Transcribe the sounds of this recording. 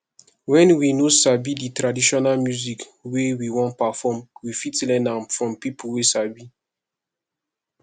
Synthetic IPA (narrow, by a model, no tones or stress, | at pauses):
wɛ̃nwinosabiditɾadiʃɔnalmjuzikwewiwɔ̃npafɔmwifitlɛ̃nãmfɹɔ̃mpipʰuwesabi